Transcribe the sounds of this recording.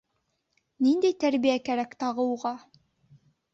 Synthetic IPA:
nind̪æjt̪æɾβijækæɾækt̪ɑʁɤ̆wuʁɑ

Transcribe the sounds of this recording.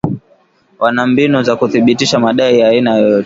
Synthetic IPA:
wʔanambinuzakuθiɓitiʃamaɗaijainajɔjɔtɛ

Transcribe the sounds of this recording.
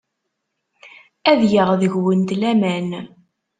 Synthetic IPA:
æðjəʁðəʝwənt̪læmæn

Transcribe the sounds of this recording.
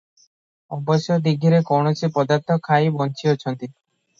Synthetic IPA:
ɔbɔsjɔd̪iɡʱiɾekɔwɳ̃ɔt͡ʃʰipɔd̪aɾt̪ʰɔkʰajbɔnt͡ʃʰijɔt͡ʃʰɔnt̪i

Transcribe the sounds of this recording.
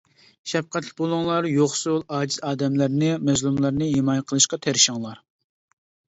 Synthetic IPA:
ʃɛp̚qæt̪lɪk̚ʲbolˠʊŋlˠɑɾjoχsulˠɑːd͡ʒizɑːd̪ɛmlæɾnɪmɛzlˠumlˠɑɾnɨɦemɑːjɛqʰəlˠɨʃqɑt̪ʰæɾɪʃɪŋlˠɑɾ

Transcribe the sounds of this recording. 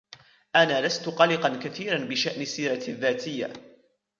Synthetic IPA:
ʔanaːlast̪ʊqɑlɪqɑnkaθiːɾanbɪʃaʔnɪsːiːɾˤɑðːaːt̪ɪjːa̰

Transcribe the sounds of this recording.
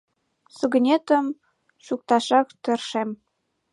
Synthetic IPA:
sɤɡə̆nʲet̪əm | ʃuk̚t̪ɑʃɑkt̪ə̆rʃem

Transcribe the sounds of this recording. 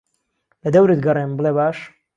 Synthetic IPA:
lɐd̪ɐwɾɨt̪̚ɡɐrˤenbɨlebaːʃ

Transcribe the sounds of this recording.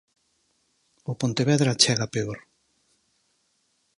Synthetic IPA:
opont̪eβɛðɾat͡ʃɛɣapeoɾ

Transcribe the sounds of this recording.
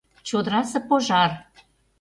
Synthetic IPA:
t͡ɕod̪ɾɑsɤ̆poʒɑr

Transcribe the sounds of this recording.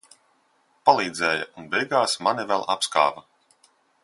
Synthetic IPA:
palˠiːd̪zɛːja̰unbɛjɡaːsmanivɛlˠʔapska̰ːvɐ

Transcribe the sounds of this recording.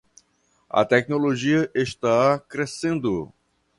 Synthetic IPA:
ɐ̰t̪ɛk̚noloʒiɐʔeʃt̪akɾesẽnd̪ʊ

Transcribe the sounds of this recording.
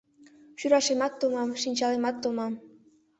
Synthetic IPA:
ɕyɾɑʃemɑt̪ːomɑmʃinʲt͡ɕɑlemɑt̪ːomɑm

